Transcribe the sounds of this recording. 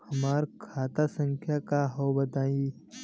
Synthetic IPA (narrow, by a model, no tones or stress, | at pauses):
hɐmaːɾkʰaːt̪asə̃ŋkʰjakaɦoːbət̪ãːi